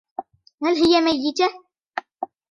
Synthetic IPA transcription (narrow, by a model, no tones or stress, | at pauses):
halɦɪjamajːɪt̪a